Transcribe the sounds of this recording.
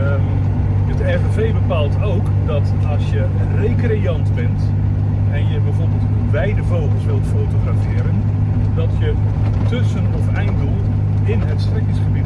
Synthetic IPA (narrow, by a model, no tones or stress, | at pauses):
ətɛvəvejbəpaːlˠtowk | dɔt | ɑlˠsjə | rejkrejɑntbɛnt | ɛnjəbɛjvʊːrbəlˠt | bɛjdəvowχəlˠsʋɪwlˠtfowtoχrafɪːɾən | dɔtjə | tɵsənɔfɛjndolˠ | ɪnɦətstrɪkɪsχəbit